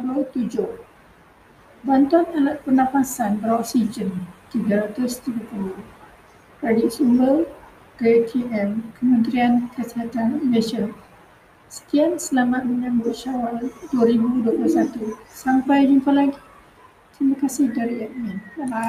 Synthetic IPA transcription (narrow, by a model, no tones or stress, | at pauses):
bət̪ud͡ʒʊh | bant̪uanalat̪̚pərnãfasanbəɾawasid͡ʒənt̪iɡaɾat̪ʊst̪iɡapulʊh | pɾɛdik̚sumbər | ɡetʰiɛmkəmə̃nt̪ɾiankəsiɦat̪animɛʃən | sə̥k̪iansəlamat̪̚məɲãmbʊʔʃawalduaɾibuduapulusat̪usampajniŋkalaŋ | t̪ɾimakasɪhdaɾiɛk̚mĩn